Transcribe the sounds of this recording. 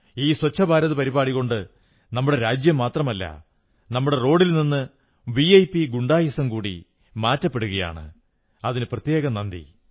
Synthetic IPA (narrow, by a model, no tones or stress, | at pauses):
iːswɐt͡ɕʰːɐbʱaːɾɐðɐpɐɾibaːɽiɣo̞ɳɖɨ | nɐmːuɽe̞ɾaːd͡ʑjɐmːaːt̪rɐmɐlːɐ̰ | nɐmːuɽe̞ro̞ːɽilninːɨ | ʋiɐjpiɡuɳɖaːjɐsɐmkuːɽḭ | maːtːɐpːe̞ɽuɣɐja̰ːɳɨ̰ | ɐðinɨprɐt̪je̞ːɣɐnɐnd̪ḭ